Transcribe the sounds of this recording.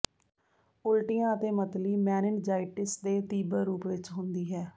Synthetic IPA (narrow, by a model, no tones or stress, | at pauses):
ʊlʈɪjãːət̪eːmət̪liːmɛːnɪnd͡ʒaːɪʈɪsd̪eːt̪iːbəɾɾuːpʋɪt͡ʃɦʊnd̪iːɦɛː